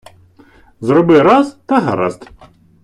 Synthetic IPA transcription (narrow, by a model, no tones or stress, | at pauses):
zɾɔbɪɾɑzt̪ɐɦɐ̰ɾɑ̰zt̪